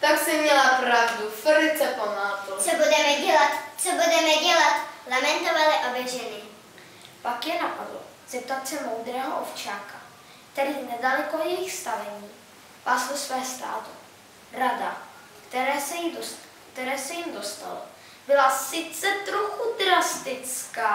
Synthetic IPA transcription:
t̪aksɛmɲɛlapɾavduvɛlɪt͡sɛpomaːt̪ut͡sobudɛmɛɟɛlat̪t͡sobudɛmɛɟɛlat̪lamɛnt̪ovalɪʔobɛʒɛnɪ | pakjɛnapadlo̰ | sɪt̪uat͡sɛmo̞wd̪ɾɛːɦoʔo̰ft͡ʃaːka | kt̪ɛɾiːnɛdalɛkojɛjɪxst̪avɛɲiː | paːslosvɛːst̪a̰ːt̪u | rada | kt̪ɛɾɛːsɛjido | kt̪ɛɾɛːsɛjimdo̞st̪a̰lo̰ | bɪlasɪt͡sɛt̪ɾoxud̪ɾast̪ɪt͡skaː

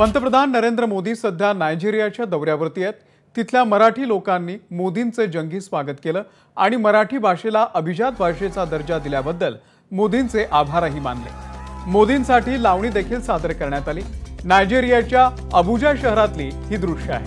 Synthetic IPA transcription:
pənt̪əpɾəd̪ʱanːəɾend̪ɾəmod̪iːsəd̪ʱːjanajd͡ʑiɾijat͡ɕjad̪əʋɾjaʋəɾt̪ijet̪ː | it̪ʰljaməɾaʈʰiːlokanːiːmod̪int͡sed͡ʑəŋɡiːsʋaɡət̪keləː | aɽ̃iməɾaʈʰiːbʱaʂelaʔəbʱid͡ʑat̪̚bʱaʂet͡sad̪əɾd͡ʑad̪iljabəd̪ːəl | mod̪int͡seʔabʱaɾɦiːma̰nlḛmod̪insaʈʰiːlaʋɳ̃iːd̪ekʰiːlsad̪əɾkəɾɳjat̪aliː | najd͡ʑiɾijat͡ɕja | əbʱud͡ʑəjɕəɦɾat̪liːɦiːd̪ɾuʂa̰ɦḛ

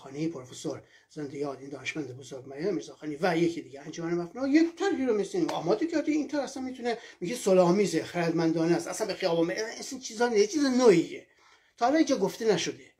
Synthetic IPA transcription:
xɒːnejipʰoɾfesoɾ | z̥end̪ejɒːd̪ind̪ɒːneʃmænd̪ebozoɾɡmæɾjɑmiːɾzɒːxɑːnivæjekʰid̪iɡeænd͡ʒomænemæfnojet̪ʰæɾhiɾomesinɒːmɒːd̪ecʰæɾd̪iint̪ʰæɾæsænmit̪ʰunemiɡesolɒːmiːzexæɾæd̪mænd̪ɒːnæsæ̰sænbexijɒːbɑnmeisint͡ʃʰizɒːnet͡ʃʰiːzenohie | t̪ʰɒːælɒniːnd͡ʒɒːɡoft̪enæʃod̪e

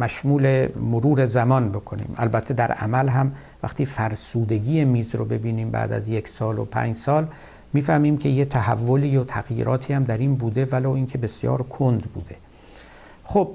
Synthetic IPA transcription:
mæʃmuːlemoɾuːɾe̞zæmɒːnbo̞kʰonḭːmʔæ̰lbæt̪ʰːe̞d̪æɾæ̰mælɦæm | væ̰χt̪ʰiːfæɾsuːd̪e̞ɡiːjemiːzɾo̰be̞biːniːmbæ̰ːd̪æ̰zjeksɒːlo̰pʰæ̰ːɲd͡ʒsɒːl | miːfæhmiːmcʰe̞jet̪ʰæhævːoliːot̪ʰæɣjḭːɾʔɒːt̪ʰiːhæmd̪æɾiːnbuːd̪evæloːiːncʰe̞be̞sjɒ̰ːɾkʰond̪bṵːd̪e̞ | xob̥

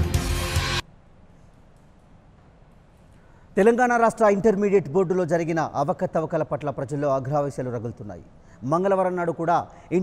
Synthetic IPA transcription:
t̪ɛlɐŋɡaːɳaːɾaːʂʈɾɐiɳʈɐɾmiːɖeʈboːɾɖulo̞ːd͡ʒɐɾiɡinɐʔɐʋɐkɐt̪ɐʋɐkɐlɐpɐʈlɐpɾɐd͡ʒɐlːo̞ːɐɡʱɾaːʋiːsjɐluɾɐɡult̪unːa̰ːjḭ | mɐŋɡɐlɐʋɐɾɐnːaːɽukuːɽaː | i

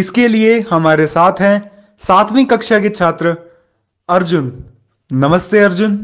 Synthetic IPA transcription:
ɪskeliehɐmaːɾesaːt̪ʰɦɛ̃ | saːt̪ʰʋĩkɐkʃaket͡ʃʰaːt̪ɾə | ɐɾd͡ʒʊnː | ɐməst̪eɐɾd͡ʒʊn

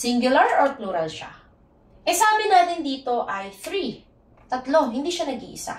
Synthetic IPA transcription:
siŋɡjʊlɐɹɔt̪luɾɐɾʃa̰ | ʔɛsɐaːbɪnaːt̪ɪnd̪iːt̪o̞ʔɐjθɾi | t̪ɐt̪lo̞hɪnd̪iːʃanɐɡḭʔɪsa̰

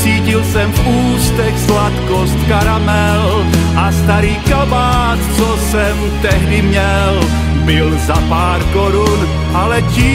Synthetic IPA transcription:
t͡siːcɪlsɛmfʔuːst̪ɛxslat̪kost̪kaɾamɛ | l | ʔast̪aɾiːkabaːtt͡sosɛm | t̪ɛɦdɪmɲɛ | l | bɪlzapaːɾkoɾun | ʔalɛcɪ

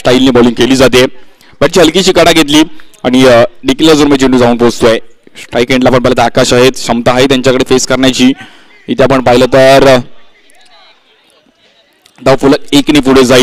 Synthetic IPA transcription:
sʈailniːbɔlĩŋkeliːd͡zat̪̬e | bəʈ̚t͡ɕiɦəlkit͡ɕiːkəɽaɡʱet̪̬liːaɽ̃iɖiklad͡zoɾmet͡ɕiɳud͡zauːnpost̪ua | ʈajkẽɳɖlapəɳpajlat̪akaɕaɦet̪ɕəmt̪aɦajt̪jaɲt͡ɕakəɽefeskəɾɳjat͡ɕiː | it̪ʰeapəɳpaɦilət̪əɾ | d̪awfuləekniːfuɽed͡zai

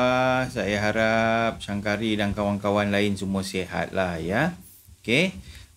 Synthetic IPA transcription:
sajaɦaɾap̚t͡ʃaŋkaɾidankawankawanlaɪnsumuəseɦa̰t̪̚lahja | oke

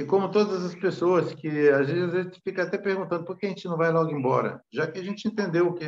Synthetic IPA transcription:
kõmʊt̪od̪ɐzɐzɐspesoɐskɪazeazvezɪsfikɐat̪ɛpeɾɡũnt̪ɐ̃nd̪ʊpoɾkeɐʒẽt͡ʃɪnɐ̃w̃vajlɔɡẽbɔ̰ɾɐ̰ʒakɪaʒẽnt͡ʃɪẽnt̪ẽnd̪ewʊke

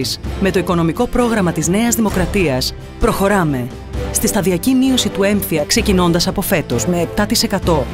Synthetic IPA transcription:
sme̞t̪o̞iko̞no̞miko̞pɾo̞ɣɾɐmɐt̪izne̞ɐzðimo̞kɾɐt̪iɐs | pɾo̞xo̞ɾɐme̞ | st̪ist̪ɐðiɐcimio̞sit̪ue̞ɱθiɐkse̞cino̞nd̪ɐsɐpo̞fe̞t̪o̞zme̞ːp̚t̪ɐt̪ise̞kɐt̪o̞

